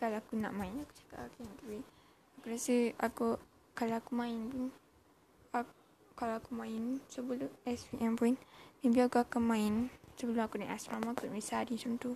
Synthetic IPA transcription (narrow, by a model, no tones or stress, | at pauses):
kalaakuna̰ʔmãinaku̥t͡ʃḁka̰ʔakint̪api | akuɾiasəa̰ku | kalaakumãinpun | a | kalaakumãinsəbəluɛsbiʔɛmpuindibiakuakamãinsəbəlumakunaʔasɾamakunisadisuut̪u